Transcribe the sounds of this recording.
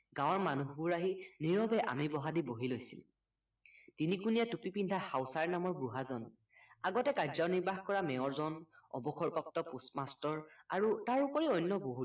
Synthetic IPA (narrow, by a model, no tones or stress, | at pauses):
ɡãw̃ɔɹmanuɦbuɹaɦiniɹɔbɛʔa̰mibɔɦadiboɦilojsḭl | tinikunijatupipindʱahawsaɹnamɔɹbɹuɦazɔn | aɡɔtɛkaɹzawniɹbaxkɔɹamɛɔɹzɔnɔ̰bɔkʰɔɹpɔp̚tɔpusmastɔɹaɹutaɹupɔɹiɔjnːɔboɦu